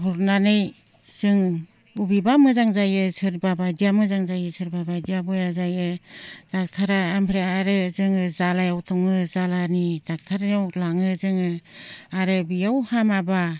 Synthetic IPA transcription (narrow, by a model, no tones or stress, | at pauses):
hɔɾnanɯj | z̥ɯŋ | ubibamɯzaŋzajɯsɯɾbabadijamɯzaŋzajɯsʰɯɾbabadijabɔjazajɯd̥ak̚tʰaɾaːmpʰɾeaaɾɯzɯŋɯzalajawtʰɔŋɯzalanidak̚tʰaɾanawlaŋɯzɯŋɯaɾɯbijawhamaba